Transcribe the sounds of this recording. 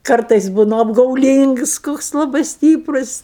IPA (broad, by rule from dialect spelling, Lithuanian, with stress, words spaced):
ˈkɐrtɐɪs ˈbuːnʊ ɐbɡɐʊˈlʲiːŋks koːks lˠɐˈbɐɪ ˈsʲtʲiːprʊs